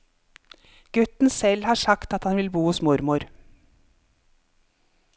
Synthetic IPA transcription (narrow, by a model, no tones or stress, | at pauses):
ɡ̥ʉt̪n̩sɛlhɑːʂɑkt̪ɑt̪hɑnʋɪlbuːhʊsmʊɾmʊɾ